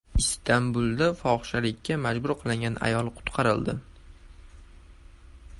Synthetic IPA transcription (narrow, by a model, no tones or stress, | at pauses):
ɪst̪ʰambʊlˠd̪afɒχʃalɪkʲʰːamad͡ʒbʊɾqʰɨlˠɪŋɡʲana̰jɒlˠqʰʊ̥t̪qʰɑɾɪld̪ɪ